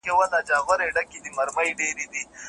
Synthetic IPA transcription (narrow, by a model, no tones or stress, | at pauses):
kewɐnad͡ʒaɣwɐɾeɖɐkid̪imɐɾmɐjɖeɾid̪i